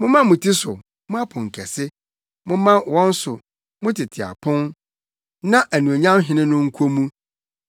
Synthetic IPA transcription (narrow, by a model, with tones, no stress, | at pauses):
mʊ̃˦mã˦mʊ̃˨tʰi˦sʊ˨ | mʊ̃˦a˦pʰʊ̃˨ŋ̩˨kʰɛ˨sɪ˦ | mʊ̃˦mã˦˨wɔ̃˦n˦sʊ˨ | mʊ̃˦tʰɪ˨tʰɪ˨a̰˨pʰʊ̃˦n | nã˦ʔæ˨nũ˨o˨ɲã˦mɦɪ̃˦nɪ̃˦nʊ̃˦ŋ̩˦kʰo˦mũ˦